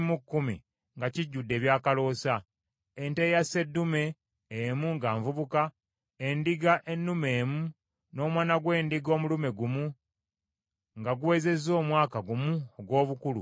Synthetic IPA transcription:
mukːumḭ | ŋɡaciɟːudːe̞ːβjaːkalo̞ːsa | entejase̞dːume̞ː | muŋɡaːɱvuβuka | endiɡaʔe̞nːume̞ːmu | no̞ːmwaːnaɡwe̞ːndiɡo̞ːmulume̞ɡumu | ŋɡaɡuwe̞ːze̞zo̞ːmwaːkaɡumuoɡwo̞ːβukulṵ

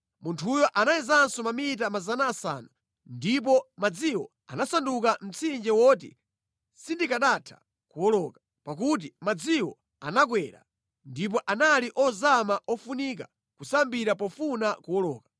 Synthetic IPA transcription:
muntʰujɔʔanajizansɔmamit̬amazanaːsa̰na | ndip̬ɔmad͡ziwɔ̰ | a̰nasandukam̩t͡sʰind͡ʒɛwɔt̬ḭ | sindikaɗatʰḁ̰ | kuwɔlɔkḁ | pak̬ut̬imad͡ziwɔ | anakwɛɾa̰ | ndip̬ɔʔanaliʔɔzamaʔɔfunik̬a | kusambiɾapɔfunakuwɔlɔːka

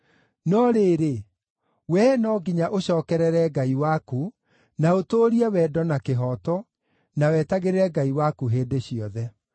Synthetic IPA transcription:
nɔɾeːɾe | wɛnɔɡiɲaʔoɕɔːkɛɾɛɾɛɡaiwaku | naotoːɾiɛwɛːdɔnakeɦɔtɔ | nawɛtaɣeɾeɾɛɡaiwakuɦeːdeɕiɔðɛ

